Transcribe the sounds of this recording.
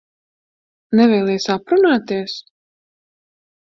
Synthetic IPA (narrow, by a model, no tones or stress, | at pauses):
nɛvɛːlˠɛjsapɾunaːt̪iɛs